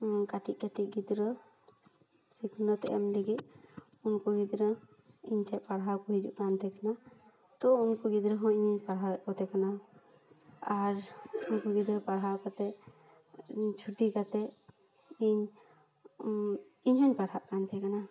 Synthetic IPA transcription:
kaʈiʔ̚kaʈiʔ̚ɡid̪ɾɔ | sikʰnɔt̪ɛ̰ʔa̰mleɡit̪̚ | unkɔɡid̪ɾə | iɲtʰɛpaɽɦawkɔɦid͡ʒṵʔkant̪ɛkana | t̪ɔunkɔɡid̪ɾəɦɔ̃iɲɔɲpaɽɦaʔkɔt̪ɛkana | aɾunkɔɡid̪ɾəpaɽɦakɔt̪ɛ | t͡ʃʰuʈikat̪ɛ | iɲ | iɲɦɔɲpaɽɦaʔkant̪ʰɛkana

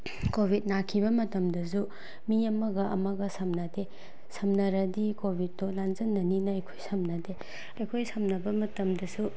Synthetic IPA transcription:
kobʱit̚nakʰibɐmɐtɐmdɐsu | miɐmɐɡɐʔɐmɐɡɐsɐmnɐde | sʰɐmnɐɾɐdikobʱit̚ːolanzɐnːɐninɐɐjkʰojsɐmnɐde | ɐjkʰojsɐmnɐbɐmɐtɐmdɐsu

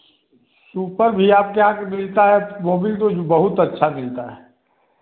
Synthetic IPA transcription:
suːpəɾbʱiaːp̚keɦãkemɪlt̪aɦɛmoːbit̪obəɦʊt̪ətːʃʰamɪlt̪aɦɛː

